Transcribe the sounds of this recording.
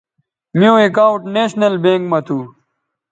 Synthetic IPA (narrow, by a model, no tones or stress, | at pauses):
mijõːekaːuʈneːɕnɐlbẽːŋkmɐt̪ʰuː